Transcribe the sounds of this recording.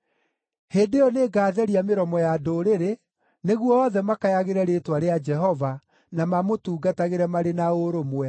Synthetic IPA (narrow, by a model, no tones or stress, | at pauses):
heːdeɔneːɡaːðɛɾiameɾɔmɔjadoːɾeɾe | neɣwɔɔðɛmakajaɣeɾɛɾeːtwaɾead͡ʒɛɦɔva | namamotuːɡataɣeɾɛmaɾenaoɾomwɛ